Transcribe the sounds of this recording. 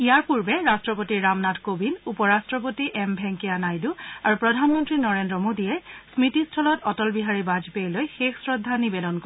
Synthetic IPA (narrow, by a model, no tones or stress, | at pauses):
ijaɹpuɹbɛɹastɹɔpotiɹamnatkobinupɔɹastɹɔp̬otiʔɛmbʱɛŋkianajduaɹupɹɔdʱanmɔntɹinɔɹendɹɔmodijɛsmitistʰɔlɔtɔtɔlbiɦaɹibad͡ʒpejlojxexsɹɔdʱːanibedɔnko